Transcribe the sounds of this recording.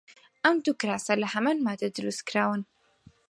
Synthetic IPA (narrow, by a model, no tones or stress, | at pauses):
ʔɐmd̪ukɾaːsalɐhɐmanmaːd̪ad̪ɨɾuskɾaːwɨn